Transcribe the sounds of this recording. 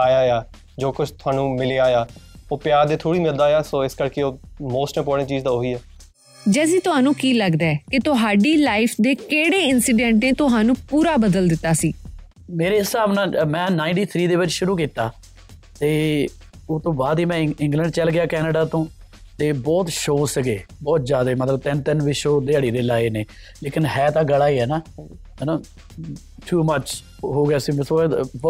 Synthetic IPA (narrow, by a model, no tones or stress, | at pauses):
aːjaːjaː | d͡ʒoːkʊt͡ʃʰt̪ʰʊaːnũːmɪleːaːjaːoːpɪjaːɾd̪eːt̪ʰoːɽiːmɪld̪aːjaːsoːɪskəɾkeːoːmoːsʈəpɔːɽẽt͡ʃiːzd̪aːɦoiːɛː | d͡ʒɛːsiːt̪ʊɦaːnũːkiːləɡd̪aɛkɪt̪ʊɦaːɖiːlaːɪfʰd̪eːkeːɽeːɪnsiːɖɛ̃ːɳʈneːt̪ʊɦaːnũːpuːɾaːbəd̪əld̪ɪt̪ːaːsiː | meːɾeːɦɪsaːbnãːmɛ̃ːnãːɪ̃ɳʈiːt̪ʰɾiːd̪eːʋɪd͡ʒʃʊɾuːk̬iːt̪aː | t̪eː | oːt̪õːbaːd̪iːmɛ̃ɪ̃ŋɡlə̃ɳɖt͡ʃəlɡɪaːkɛːnəɖaːt̪õː | t̪eːbɔːt̪ʃoːsəɡeːbɔːt̪zjaːd̪eːmət̪ləb̚t̪ɪnt̪ɪnʋiʃoːd̪eːaːɽiːd̪eːlaːineː | leːkɪnhɛːt̪ãːɡəlaːiːɦɛːnaːɦɛnaː | ʈʰuːmət͡ʃ | ɦoːɡaːsiːməsob